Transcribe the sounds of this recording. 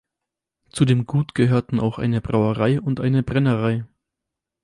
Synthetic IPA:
t͡sudeːmɡuːtɡ̥əɦøːɐtn̩a̰ʊxʔa̰ɪnəbʁaʊəʁaɪʔʊntʔaɪnəbʁɛnəʁaɪ

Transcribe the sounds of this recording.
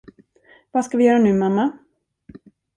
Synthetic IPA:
vaːskavɪjœːɾanʉ̟ːmamːa

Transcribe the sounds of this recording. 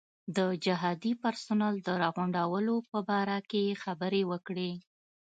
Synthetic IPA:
d̪əd͡ʒɪɦɑd̪ipaɾsʊnald̪əɾɑɣʊɳɖawəlopəbɑɾakexabəɾewəkɽe

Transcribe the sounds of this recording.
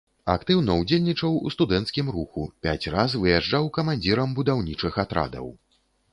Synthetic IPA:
a̰kt̪ɨwnɐud͡zʲelʲnʲit͡ʂɐwust̪ud̪ɛnt̪skʲimɾuxupʲat͡sʲrazvɨjaʐd͡ʐawkɐmanʲd͡zʲiɾɐmbud̪awnʲit͡ʂɨxat̪ɾa̰d̪ɐ̰w

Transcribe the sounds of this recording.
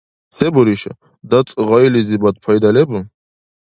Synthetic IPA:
sɛbɔɾiʃa̰ | d̪at͡sʼʁailizibad̪̚pʰajd̪alɛbu

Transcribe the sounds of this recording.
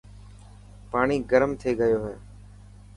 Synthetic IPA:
paːɳiːɡəɾmt̪ʰeːɡəjoːɦɛː

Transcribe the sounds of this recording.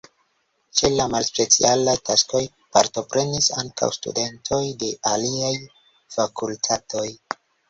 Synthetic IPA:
t͡ʃe̞lamalspe̞t͡sḭalajtʰasko̞j | pa̰ɾto̞pɾe̞nisa̰ŋkʰa̰wstṵde̞ntʰo̞jde̞aliaj | fakultʰatʰo̞j

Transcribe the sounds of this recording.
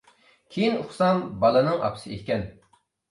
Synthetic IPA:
kʲʰejinuχsɑmbɑlˠɨnɨŋʔɑ̰pʰsɨʔehkʲɛn

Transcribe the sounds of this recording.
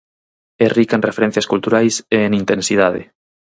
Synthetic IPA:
erikanrefeɾɛ̃n̟θjɐskult̪uɾajseːŋint̪ẽnsiðaðɪ̰

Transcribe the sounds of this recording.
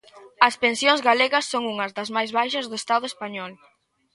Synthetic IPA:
ɐspensjoŋzɣaleɣɐsːoŋuŋɐzðɐzmajzβajʃɐzðʊest̪aðʊespaɲɔl

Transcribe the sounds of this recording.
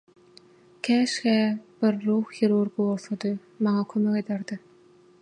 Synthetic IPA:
kʲʰæːʃxæːb̥ɪɾːuːxjeɾuɾɡɯbolˠθod̪ɯj | mɑŋɑkʰømeked̪æɾd̪ɯ

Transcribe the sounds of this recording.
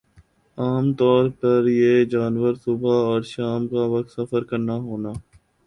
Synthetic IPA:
aːmt̪ɔːɾpɐɾjeːd͡ʒaːnʋəɾsʊbʱaɔːɾʃaːmkaʋɐk̚t̪sɐfəɾkɐɾnaɦoːnaː

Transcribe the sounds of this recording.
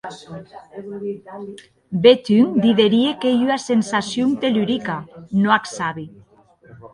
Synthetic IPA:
bet̪yŋd̪iðeɾiekejyasensasjoŋt̪elyɾikanoaksaβi

